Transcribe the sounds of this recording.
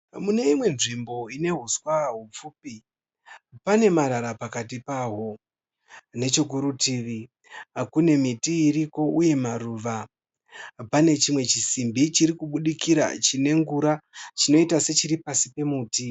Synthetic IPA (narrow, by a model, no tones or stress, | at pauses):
mune̞imwe̞nʐimbo̞ine̞ɦuswaɦup͡fuːpi | pane̞maɾaɾapakat̬ipaɦo̞ | ne̞t͡ʃokuɾutiːʋi | kune̞mitiːɾiko̞uje̞maruːʋa | pane̞t͡ʃimwe̞t͡ʃisimbit͡ʃiɾikuɓuɗikiɾa̰t͡ʃine̞ŋɡuɾat͡ʃino̞itase̞t͡ʃiɾipasipe̞muːti